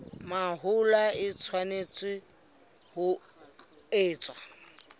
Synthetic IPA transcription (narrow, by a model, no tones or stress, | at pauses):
maɦʊlaɪt͡sʰwanet͡sʼwɪ | hʊ | eːt͡sʼwa